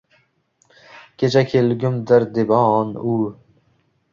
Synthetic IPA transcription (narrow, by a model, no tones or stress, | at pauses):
kʲʰet͡ʃʰakʲʰelɡʲʊmd̪ɪɾd̪ɪbɒːnu